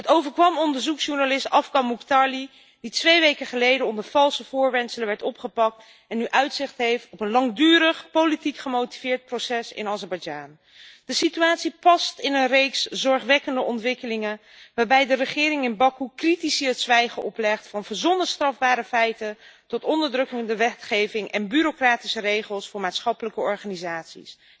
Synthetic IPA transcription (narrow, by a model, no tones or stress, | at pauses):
ɦətowvəɹkʋɑmɔndəɹzuksʃuɹnalɪstɑfkɑmuktɑɹli | ditʋejʋejkəχəlejdənɔndəɹv̥ɑlˠsəv̥ʊːɹʋɛnsələʋɛɹtɔpχəpɑk̚t | ɛnːyʔœɥtsɪχtɦejftɔpənlɑŋdyːɾəχpowlitikχəmowti̥v̥ɪːɹt̚prosɛsɪ̰nɑzɛɹbɑjd͡ʒa̰ːn | dəsityaːtsipɑstɪnənrejkszɔɹχʋɛkəndəʔɔntʋɪkəlɪŋən | ʋaːɹbɛjdərəχɪːɾɪŋɪnbɑkukritisiətsʋɛjχəʔɔplɛχtfɑnvəɹzɔnəstrɑvbaːɾəfɛjtəntɔtɔndəɹdrɵkəndəʋɛtχejvɪŋɛnbyɾokraːtisərejχəlˠsfʊːɹmaːtsχɑpələkəɔɹχaːnizaːtsḭs